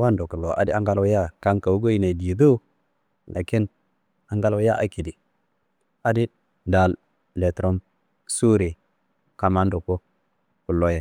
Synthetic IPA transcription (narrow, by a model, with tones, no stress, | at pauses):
wa˦ndo˨ku˨lːo˨ʔa̰˨di˦a˦ŋɡa˦lja˦ka˦ŋka˨wu˦ɡo˦i˨ne˨di˨du˦ | la̰˨ki˦n | a˨ŋɡa˦lja˦ʔa˨ki˨di˨ | a˨di˦ | da˨l | le˨tɾo˦m | su˦ɾe˨ | ka˨ma˦ndo˨ko˦ | ku˨lːo˦je˨